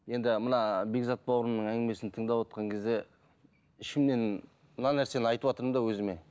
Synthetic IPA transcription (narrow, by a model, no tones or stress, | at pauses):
je̞nd̪ɪmənɑbe̞ɡzɑt̪̚bɑwɾənnəɴæŋɡʲɪme̞sɪnt̪ʰəɴd̪ɑwot̪qʰɑŋkʲʰe̞zd̪e | ɪʃɪmne̞n | mənɑnæɾse̞nɪɑjt̪əpwɑt̪əɾəmd̪ɑwɵzɪme̞